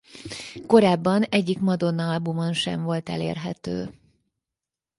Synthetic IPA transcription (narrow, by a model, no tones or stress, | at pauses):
ko̞ɾaːbːɒnɛɟːikmɒd̪o̞nːɒɒlbumonʃɛ̰ɱvo̞lt̪ɛ̰lḛːrɦɛt̪ø̰ː